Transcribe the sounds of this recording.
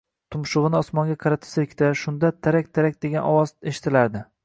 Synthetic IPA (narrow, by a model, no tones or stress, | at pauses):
t̪ʰʊmʃʊʁɨnɪɒsmɒŋɡʲaqʰɑɾat̪ʰɪ̥sɪkʲt̪aʃʊnd̪at̪ʰaɾak̚ʲd̪ʰaɾak̚ʲd̪e̞ɡʲanɒwɒzeʃɪ̥t̪ʰɪlaɾd̪ɪ